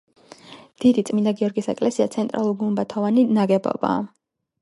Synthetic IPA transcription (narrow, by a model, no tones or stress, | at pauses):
d̪̥id̪it̪sʼmind̪aɡiɔɾɡisɛkʼlɛsia̰t̪sʰɛnt̪ʼɾalˠuɾɡumbat̪ʰɔvaninaɡɛbɔ̰ba̰ː